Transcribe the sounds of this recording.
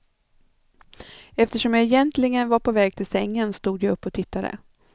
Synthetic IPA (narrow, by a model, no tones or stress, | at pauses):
ɛft̪əʂɔmjaɛjɛnt̪lɪɡənvaɾpʰɔvɛːɡ̚t̪ʰɪlsɛŋːənst̪uːd̪jaɵpːɔt̪ʰɪt̪ːad̪ə̰